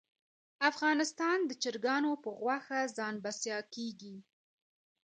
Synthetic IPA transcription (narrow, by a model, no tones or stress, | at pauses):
afɣɑnɪst̪ɑnd̪ət͡ʃɪɾɡɑnopəɣwaxazɑnbasjɑkeɡi